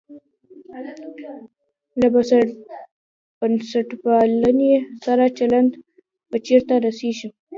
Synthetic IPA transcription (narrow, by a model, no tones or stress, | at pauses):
labas | b̥ansaʈpalanesaɾat͡ʃaland̪ | pət͡ʃeɾt̪aɾaseʒi